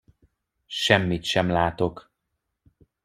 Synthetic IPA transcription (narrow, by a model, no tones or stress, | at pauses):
ʃɛmːit̪ʃɛmlaːt̪o̞k